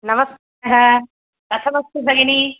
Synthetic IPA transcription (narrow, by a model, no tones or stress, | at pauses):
nɐmɐst̪ | ɦã | ɐt̪ʰɐmɐst̪ebʱɐɡeni